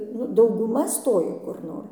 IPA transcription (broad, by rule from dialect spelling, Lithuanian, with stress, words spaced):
nʊ dɐʊɡʊˈmɐ ˈstoːjɛ kʊr ˈnoːr